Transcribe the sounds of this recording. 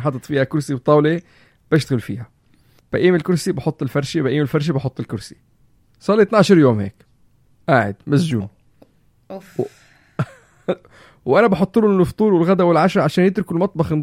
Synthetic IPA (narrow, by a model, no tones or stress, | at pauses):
ħɑd̪ˤɑt̪ˤfiːhækʊɾsibt̪ˤːɑːwle | b̥ɪʃt̪aɣɪlfḭːhæ | b̥æʔiːmɪlkʊɾsibɑħot̪ˤːɪlfæɾˤʃibæʔiːmɪlfaɾˤʃ̬ibɑħot̪ˤːɪlkʊɾsi̥ | sˤɑlːit̪naʕʃɑɾˤjoːmhḛːk | ʔaːʕɪ̰d̪mæsʒṵːn | wʔænæbɑħot̪ˤːɨlunːʊft̪ˤuːɾwɪlɣæd̪æwɪlʕaʃɾˤɑʕaʃæːnjɪt̪ɾʊkɪlmɑt̪ˤbɑxn